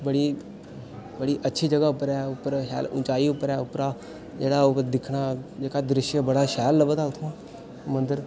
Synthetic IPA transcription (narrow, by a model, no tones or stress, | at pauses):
bəɽiː | bəɽiːʔətːʃʰiːd͡ʒəɡaːʊpːəɾɛːʊpːəɾɦa̰ːlʊ̰̃nt͡ʃaːiʊpːəɾɛːʊpːɾaː | d͡ʒeːɽaːʊɾd̪ɪkʰɽaːd͡ʒeːkad̪ɾɪʃjəbəɽaːʃɛːlːəbət̪aːʊt̪ʰːaː | mə̃nd̪əɾ